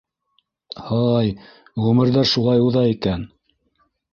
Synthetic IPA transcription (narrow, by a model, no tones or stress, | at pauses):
hɑj | ʁɵmɘ̆ɾðæɾʃulˠɑjuðɑikæn